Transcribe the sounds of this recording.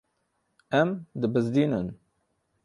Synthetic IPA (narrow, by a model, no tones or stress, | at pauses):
æmd̪ɨbɨzd̪iːnən